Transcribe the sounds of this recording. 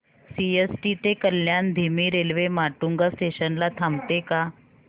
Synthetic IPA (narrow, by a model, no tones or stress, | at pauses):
siesʈit̪ekəljand̪ʱimiːɾelʋemaʈuŋɡasʈeɕənlat̪ʰamt̪eka